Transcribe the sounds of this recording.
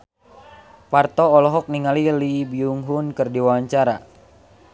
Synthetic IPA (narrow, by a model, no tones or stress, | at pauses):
part̪ɔːlɔɦɔk̚niŋalilibiuŋɦunkɨrdiwaaɲt͡ʃaɾa̰